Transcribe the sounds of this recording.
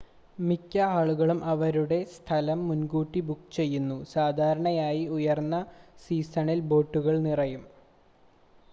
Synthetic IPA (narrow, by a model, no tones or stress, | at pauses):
mikʲːɐaːɭuɣɐɭumʔɐʋɐɾuɽe̞st̪ʰɐlɐmːunɡuːʈːibukːt͡ɕe̞jːunːusaːd̪ʱaːɾɐɳɐjaːjiujɐrnːɐsiːsɐɳilbo̞ːʈːuɣɐɭnirɐjum